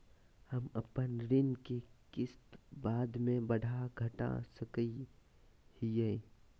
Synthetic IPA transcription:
hɐmɐpənɾɪnkekɪst̪baːd̪mẽbɐɽʱaɡʱɐʈa̰səki | hije

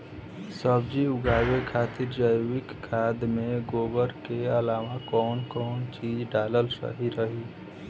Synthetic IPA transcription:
səbd͡ʒiʊɡaːwekʰat̪ɪɾd͡ʒəjɪkːʰaːd̪mẽɡoːbəɾkeəlaːʋakɔːnkɔːnt͡ʃiːd͡ʒɖaːləlsə̰ɦiɾəɦi

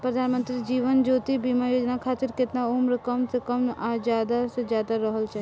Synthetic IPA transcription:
pɾəd̪ʱaːnmə̃nt̪ɾid͡ʒiːʋənd͡ʒoːt̪ibiːmajoːd͡ʒnakʰaːt̪ɪɾkɪt̪nauːmɾəkəmsekəmad͡ʒaːd̪ased͡ʒjaːd̪aɾəɦəlt͡ʃʰa

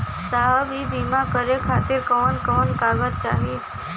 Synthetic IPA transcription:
saɦəbʱiːbʱimakəɾekʰat̪iːɾkəʋənkəʋənkaɡət̪̚t͡ʃaɦi

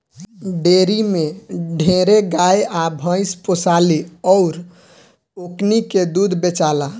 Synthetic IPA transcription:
ɖeɾimeɖʱeɾeɡajabʱə̃ɪsposaliɔʊɾ | okniked̪ud̪ʱbet͡ʃala

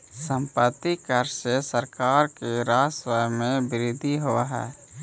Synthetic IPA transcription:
sə̃mpət̪ːikəɾsesəɾkaːɾkeɾaːswəjmẽbɪɾɪd̪ʱiɦoʋaɦɛ̰ː

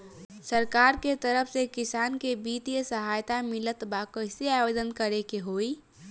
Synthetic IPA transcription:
səɾkaːɾket̪əɾəfʰsekɪsaːnkebiːt̪ijəsəɦaːjt̪amɪlət̪bakəseaːjoːd̪ənkəɾekeɦoːiː

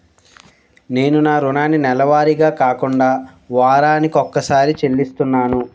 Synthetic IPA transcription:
ne̞ːnunaːɾunaːninɛlɐʋaːɾiɡaːkaːkuɳɖaː | ʋaːɾaːnikiɔkːɐsaːɾit͡ʃe̞lːist̪unːaːnu

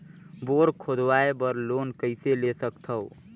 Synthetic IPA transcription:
boɾkʰod̪waebəɾlonkəɪselesəkt̪ʰəw

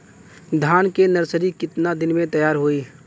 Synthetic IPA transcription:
d̪ʱaːnkenəɾsəɾikɪt̪nad̪ɪnmẽt̪əjaːɾɦoːiː

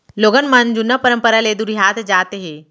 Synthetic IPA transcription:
loɡənmənd͡ʑunəpəɾəmpəɾaled̪uɾɦat̪d͡zat̪eɦe

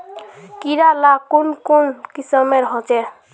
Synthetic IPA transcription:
kiɾalakunkonkisəmeɾɦɔt͡ʃɛ

